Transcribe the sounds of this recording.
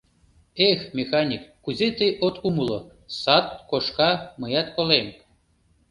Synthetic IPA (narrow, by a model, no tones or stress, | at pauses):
exmʲexanʲikːuzʲet̪ejʔot̪umulo | sɑt̪koʃkɑməjɑt̪kolem